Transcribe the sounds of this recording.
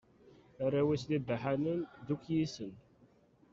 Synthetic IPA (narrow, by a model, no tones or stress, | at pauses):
aɾawislibħanənd̪ukjisən